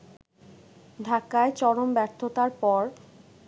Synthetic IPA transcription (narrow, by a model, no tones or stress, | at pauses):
d̪ʱakːaet͡ɕɔɾombɛɾt̪ʰːot̪aɾpɔɾ